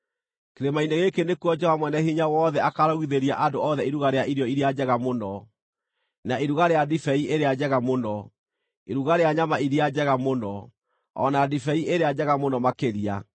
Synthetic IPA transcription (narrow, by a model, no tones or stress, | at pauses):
keɾemaineɣekenekwɔd͡ʒɛhamwɛnɛhiɲawɔːðɛakaɾaɣwiðeɾiaʔandoɔðɛiɾuɣaɾeaiɾjɔiɾiad͡ʑɛɣamonɔ | naeɾuɣaɾeadifɛiʔeɾead͡ʑɛɣamonɔ | eɾuɣaɾeaɲamaiɾiad͡ʑɛɣamonɔ | ɔ̰naːdifɛieɾead͡ʑɛɣamonɔmakeɾia̰